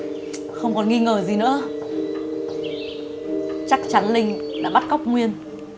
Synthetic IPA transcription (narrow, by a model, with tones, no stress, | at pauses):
xə˧wŋ͡mkɔ˨˩nŋi˧ŋəː˨˩zi˨˩nɨ̰˧˥ə | t͡ɕa˦˥k̚t͡ɕa˨˦nlï˧ŋ̟la̰ː˧˥ɓa˦˥t̚kɔ˦˥wk͡p̚ŋwi˧ən